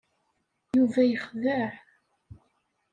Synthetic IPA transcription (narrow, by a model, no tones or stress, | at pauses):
juvæjəχvəħ